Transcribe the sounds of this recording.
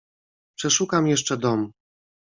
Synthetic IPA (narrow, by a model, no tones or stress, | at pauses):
pʂɛʂukamjɛʂt͡ʂɛd̪ɔm